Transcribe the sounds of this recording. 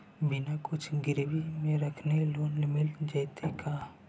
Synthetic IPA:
bɪnakʊt͡ʃʰɡɪɾwimẽɾɐkʰneloːnmɪld͡ʒəjt̪ʰeka

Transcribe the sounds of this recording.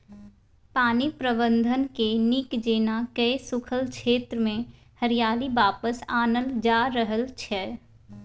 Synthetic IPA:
paːnipɾəbə̃nd̪ʱənkenikd͡ʒeːnakəisʊkʰəlkt͡ʃʃʰeːt̪ɾəmẽ | həɾijaːlibaːpəsaːnəld͡ʒaːɾəɦəlt͡ʃʰɛ

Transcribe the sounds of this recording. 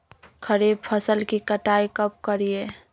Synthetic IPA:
kʰəɾeb̚pʰəsəlkikəʈaikəp̚kəɾije

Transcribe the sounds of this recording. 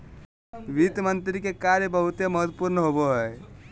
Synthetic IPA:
ʋit̪mənt̪ɾikekaɾjəbəɦut̪jeməɦət̪puɾnɦoboɦɛː

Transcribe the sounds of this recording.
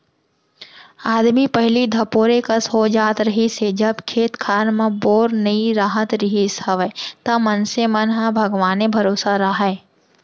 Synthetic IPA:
aːd̪mipɐɦlid̪ʱɐpoːɾekɐsɦod͡ʒaːt̪ɾɐɦised͡ʒɐbkʰeːt̪kʰaːɾmãboːɾnɐiɾaːɦət̪ɾɐɦisɐʋet̪ɐmɐnsemənɦabʱɐɡʋaːnebʱɐɾoːsaɾaɦɛː

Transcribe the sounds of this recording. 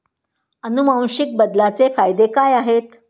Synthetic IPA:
ənumãw̃ɕik̚bəd̪lat͡sefajd̪ekajaɦet̪

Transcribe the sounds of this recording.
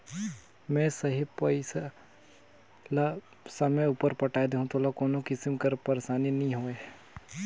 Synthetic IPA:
mɛ̃ːsɐɦipɐɪsa | la | sɐməuːpəɾpɐʈaːed̪eːɦũt̪ʰoːlakoːnokɪsmkəɾpɐɾesaːninɐɦĩɦoːe

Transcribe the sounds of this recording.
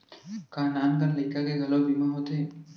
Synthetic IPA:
kaːnaːnkənlɐɪkakeɡʱɐlobiːmaɦoːt̪eɦɛ̃ː

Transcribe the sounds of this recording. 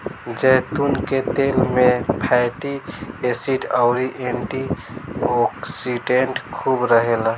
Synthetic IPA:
d͡ʒɛt̪unket̪elmepʰɛʈiesiʈəʊɾiʔeɳʈi | ɔksiɖeɳʈkʰubɾəɦela

